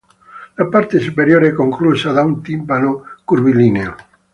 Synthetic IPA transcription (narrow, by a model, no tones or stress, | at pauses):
lapaɾt̪esupeɾjoɾɛkoŋklusaðaunt̪impanokuɾβilineo